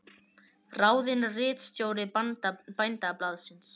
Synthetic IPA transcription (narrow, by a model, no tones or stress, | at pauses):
raːwðɪnrɪːt̪st̪joːwɾɪpajnt̪aplaːðsɪns